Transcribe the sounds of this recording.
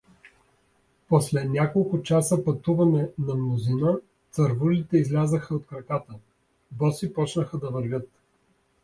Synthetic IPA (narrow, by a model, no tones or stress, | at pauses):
pɔslɛnʲakolˠkʊt͡ʃasəpɐt̪uvɐnɛnɐmnˠʊzinə | t̪sɐɾvulit̪ɛizlʲazəxəot̪̚kɾɐkat̪ə | bɔsipɔt͡ʃnəxəd̪ɐvəɾvʲɤt̪